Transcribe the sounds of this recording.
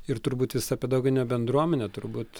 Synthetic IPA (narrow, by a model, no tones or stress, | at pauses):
ɪɾt̪ʊɾbuːt̪ʋʲɪsɐɐpʲɛd̪oːɡʲɪnʲɛbʲɛnd̪ɾuɔmʲɛnʲɛt̪ʊɾbuːt̪